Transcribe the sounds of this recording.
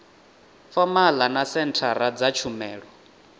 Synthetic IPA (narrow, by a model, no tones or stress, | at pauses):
famalanasɛntʰaɾad͡zat͡ʃʰumɛːɺɔ